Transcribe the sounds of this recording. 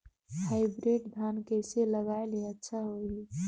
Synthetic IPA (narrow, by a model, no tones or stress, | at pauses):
haɪbɾeʈd̪ʱankəjseləɡaːeliətːt͡ʃʰaɦoɦi